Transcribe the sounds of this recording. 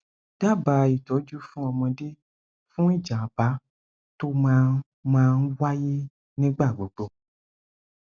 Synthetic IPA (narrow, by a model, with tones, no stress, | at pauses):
d̥a˦˨ba˨i˨tɔ˨˦d͡ʒu˦fũ˦ɔ˧mɔ̃˧de˦ | fũ˦i˦˨d͡ʒa˨a˨ba˨˦ | to˦mãː˦˧˦ | mãː˧n̩˦wa˦je˦ | nĩ˦ɡ͡ba˦˨ɡ͡bo˨ɡ͡bo˧˦